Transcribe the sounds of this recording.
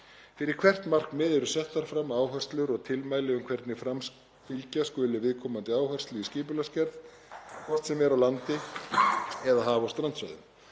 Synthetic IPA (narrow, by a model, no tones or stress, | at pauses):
fɪɾɪɾ̥kʰvɛr̥t̪nmar̥kmɛːðɛɾʏsɛht̪aɾ̥fɾamːaːwɦœ̥st̪lʏɾɔɣt̪ʰɪlmaːjlɪʏmkʰvɛɾt̪nɪfɾam | filcaskʏːlɪvɪðkʰɔːmant̪ɪaːwhœrst̪lʏiscɪːpʏlascɛɾð | kʰɔr̥t̪sɛmvɛɾawlant̪ɪ | ɛðaɦaːvaɔst̪ɾant̪sva̰jðʏ̰m